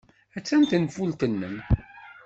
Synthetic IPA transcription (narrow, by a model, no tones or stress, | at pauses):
æt͡sːænt̪nfult̪ənːəm